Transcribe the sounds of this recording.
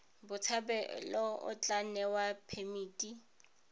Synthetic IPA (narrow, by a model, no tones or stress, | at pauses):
bʊt͡sʰabɛlɔʊ̰t͡ɬʼanɛwapʰemiːtʼi